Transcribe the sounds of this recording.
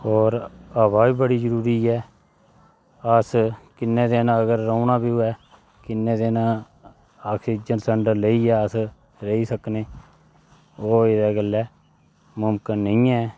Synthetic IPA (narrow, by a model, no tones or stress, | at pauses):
ɔːɾəβaːbiːbəɽiːd͡ʒəɾuːɾiːɛː | əskɪnːẽːd̪eːnãːəɡəɾːəunaːbiːʊɛː | kɪnːẽːd̪eːnãː | aːkʰsiːd͡ʒənsəɳɖələiːɛːəs | ɾəiːsəkneː | oːɪdɛːɡəlːɛː | mʊmkənːəĩːɛː